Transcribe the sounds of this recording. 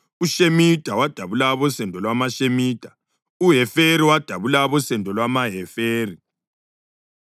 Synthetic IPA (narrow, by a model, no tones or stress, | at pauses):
uʃemitʼawad̥ʱaβulaβɔsɛndʱɔlwamaʃemiːdʼa | uɦɛfeɾiwad̥ʱaβulaβɔsɛndʱɔlwamaɦɛfeːri